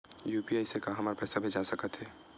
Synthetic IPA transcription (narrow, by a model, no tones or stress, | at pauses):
juːpiaɪsekaɦɐmaɾpɛsabʱeːd͡ʒasəkət̪ɦɛː